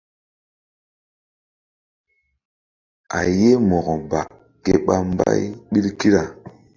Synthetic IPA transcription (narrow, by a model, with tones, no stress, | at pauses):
a̰˨je˦mɔ˨ɣɔ˨ba˨ | ke˦ɓa˦m˦ba̰˦jɓi˦lki˦ɾa˨